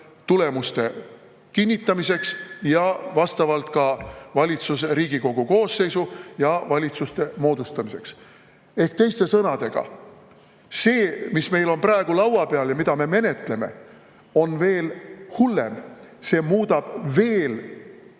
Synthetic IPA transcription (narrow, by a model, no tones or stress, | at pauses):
t̪ule̞must̪e̞ | kinʲːit̪ːˑɑmise̞ksjɑvɑst̪ɑvɑlt̪kɑvɑlʲit̪sus̬eɾiːɡ̥iko̞ɡ̥uko̞ːse̞jsujɑvɑlʲit̪sust̪e̞mo̞ːd̪ust̪ɑmise̞ks | e̞hkt̪e̞jst̪e̞sɤnɑd̪̥e̞ɡ̥ɑ̰ | se̞ːmisme̞jlo̞nprɾɑe̞ɡ̥ulɑwɑpeɑljɑmid̪̥ɑme̞me̞ne̞t̪le̞me̞̰ | o̞nve̞ːlhulːemse̞ːmuːd̪ɑb̥ve̞ːl